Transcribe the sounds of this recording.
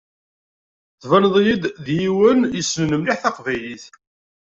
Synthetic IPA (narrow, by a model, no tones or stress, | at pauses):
θvænəðˤjid̪ðjiwənjəsːnənəmliħθɑqvæliθ